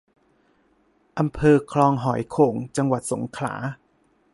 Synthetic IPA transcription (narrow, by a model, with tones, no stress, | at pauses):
ʔa˧mpʰɤː˧kʰlɔː˧ŋɦɔ˩˦jkʰoː˩ŋt͡ɕa˧ŋwa˨˩t̪̚so˩˦ŋkʰla̰ː˩˦